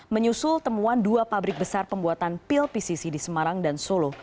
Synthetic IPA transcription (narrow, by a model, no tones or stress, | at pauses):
məɲusʊlt̪əmuanduapabɾɪk̚bəsarpəmbuat̪anpɪlpisisidisəmaɾaŋdansolo